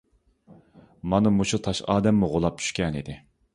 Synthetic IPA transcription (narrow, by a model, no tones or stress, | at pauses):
mɑnɨmuʃut̪ʰɑʃɑ̰ːd̪ɛmːʊʁolˠɑp̚t͡ʃʰy̥ʃkʲɛnḭd̪ɪ